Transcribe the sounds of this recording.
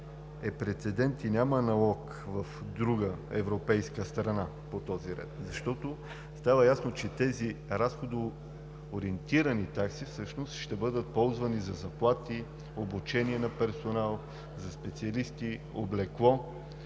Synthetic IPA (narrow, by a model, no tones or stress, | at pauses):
ɛpɾɛt̪sɛd̪ɛnt̪inʲamənɐlˠɔk | vɐfd̪ɾuɡəɛ̰vɾopɛjskəst̪ɾɐna | pot̪ɔziɾɛ̰t̪zɐʃt̪ɔt̪o | st̪avəjasnot͡ʃɛt̪ɛziɾasxod̪o | oɾiɛnt̪iɾɐnit̪aksifsɤʃnost̪ʃt̪ɛbɤd̪ət̪̚pɔlˠzvɐnizɐzɐplˠat̪i | obut͡ʃɛniɛnɐpɛɾsonalˠ | zɐspɛt̪siɐlist̪i | o̰blɛklˠɔ